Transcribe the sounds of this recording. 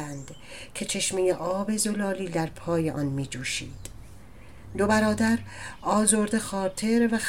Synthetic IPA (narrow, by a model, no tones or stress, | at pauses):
ænd̪̥ | cʲʰe̞t͡ʃʰe̞ʃmejeʔɒːbe̞zolɒːliːd̪æɾpʰɒːjeʔɒ̰nmiːd͡ʒuːʃḭːd̪̥ | d̪o̞bæɾɒːd̪æɾɒːzoɾd̪exɒːɾt̪ʰe̞ɾvæx